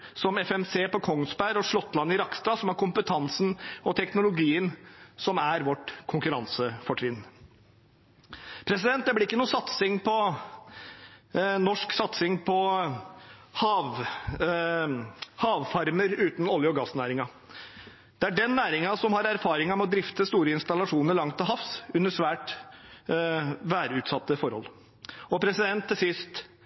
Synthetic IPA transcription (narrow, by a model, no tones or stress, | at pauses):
sɔmɛfɛmseːpɔkʰɔŋːsbæɾɔʂɭɔt̪ːlɑnːɪɾɑkst̪ɑsɔmæɾkʊmpət̪ʰɑnsnɔt̪ʰɛknʊlʊɡiːənsɔmæɾʋɔʈːkʰʊŋkʉɾɑnsəfɔʈʰʋɪnː | pʰɾɛs̬ɪd̪ɛnt̪̚d̪ɛblɪɪkːənuːsɑt̪sɪŋpʰɔ | nɔʂksɑt̪sɪŋpʰɔ | hɑːʋ | hɑːʋfɑɾməɾʉːt̪n̩ɔljəɔɡɑsnæːɾɪŋɑ | d̪̥ɛæɖɛnːæːɾɪŋɑsɔmhɑɾæɾfɑːɾɪŋɑmɛɔd̪ɾɪft̪əst̪uːɾəɪnst̪ɑlɑʂuːnəɾɭɑŋt̪ɪlɦɑfsʉnːəʂʋæːʈ | ʋæːɾəʉːt̪sɑt̪ːəfɔɾhɔ̰lː | ɔpʰɾɛsɪd̪ɛnt̪ʰːɪlsɪst̪